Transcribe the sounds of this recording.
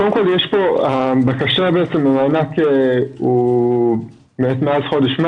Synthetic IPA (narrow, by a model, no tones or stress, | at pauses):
odemkoljeʃpo̞abakaʃabeʔet͡semamaːnakeu | meet̪meazχo̞deʃma